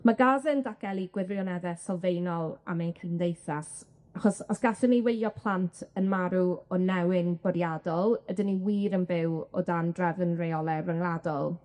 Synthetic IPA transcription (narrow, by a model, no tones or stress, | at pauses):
maɡazɨndaɡ̥ɛlˠiɡ̥wɪrjɔnɛðɛsɔlˠvejnɔlˠa̰mankʰəndejθas | aχɔsɔsɡ̥aɬəniwejjɔpʰlˠantʰənmaɾuɔnɛwɪnb̥ɔɾjadɔlˠədɪniwiːɾənbɪwɔdandrɛvənrejɔlˠɛvəŋlˠadɔlˠ